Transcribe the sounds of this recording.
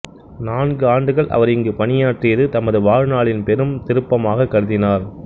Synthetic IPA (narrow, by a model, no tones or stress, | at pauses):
naːnɡɯaːɳɖɯɣɐɭʔɐ̰ʋɐɾɪŋɡɯpɐnɪjaːʈrɪɪðɯt̪ɐmɐðɯʋaːɻnaːɭɪnpɛɾɯmt̪ɪɾɯpːɐmaːɣɐkːɐɽɯðɪnaːɾ